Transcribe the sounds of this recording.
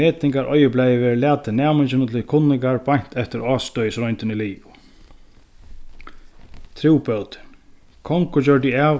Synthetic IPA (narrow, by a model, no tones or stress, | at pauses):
eːt̪ɪŋkaɾʔɔ̰jɪplɛjɪvɛːɾlæːt̪ɪnaːmɪnt͡ɕɪnət̪ʰɪkʰʊnːɪŋkaɹpaɲ̥t̪ɛft̪ɪɾɔːst̪ɔjsɾɔjnt̪ɪnɪliːʊ | t̪ʰɾiwpœwt̪ɪ̥ | kʰɔŋkʊt͡ɕœɹt̪̬ɪaː